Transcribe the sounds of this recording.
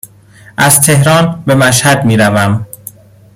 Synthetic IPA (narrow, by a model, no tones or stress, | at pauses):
ʔæz̥t̪ʰe̞hɾɒːnbe̞mæʃ̬hæd̪̚miːɾævæm